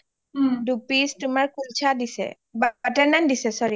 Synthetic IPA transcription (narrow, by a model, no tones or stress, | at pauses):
dupistumaɹkʰult͡ʃʰadisɛ̰ | batɛɹnandisɛsɔɹi